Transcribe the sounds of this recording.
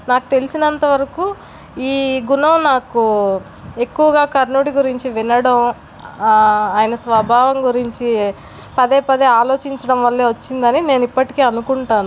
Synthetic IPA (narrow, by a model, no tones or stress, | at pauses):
naːku̥t̪e̞lisinɐnt̪ɐʋɐɾɐkuː | iːɡunɐmnaːku | e̞kːuʋɐɡaːkɐɾnuːɽiɡuɾiɲt͡ʃiʋinɐɽɐm | aːjnɐsʋɐbʱaːʋɐŋɡuɾiɲt͡ʃi | pɐd̪e̞ːpɐd̪eːaːlo̞ːt͡ʃiɲt͡ʃɐɽɐmʋɐlːe̞ːʋɐt͡ʃːind̪ɐnine̞ːnipːɐʈi̥keːɐnukuɳʈaːnu